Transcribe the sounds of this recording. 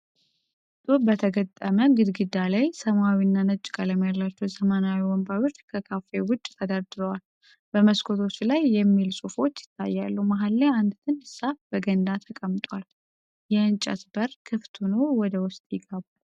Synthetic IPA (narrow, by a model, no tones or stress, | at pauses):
t̪ʼubət̪ʰəɡət̪ʼːəməɡɨd̪ɡɨd̪alajsəmawinːanət͡ʃʼːkʼaləmjalːat͡ʃːuzəmənawiwɔmbawɪɾt̪kʰəkʰafewʊt͡ʃʼːt̪ʰəd̪aɾd̪ɨɾəwal | bəməskʰo̞t̪ʰo̞t͡ʃːlajːɛmːilsʼufo̞t͡ʃːjɪ̥t̪ʰːa̰jːalːumaɦalːeand̪t̪ʰɨnhɨsafb̥əɡənd̪at̪ʰəkʼəmt̪ʼwal | jɛɨnt͡ʃʼə̰t̪bəɾkʰɨft̪ʰunəwwɔd̪əwʊst̪ʼjɪɡəbu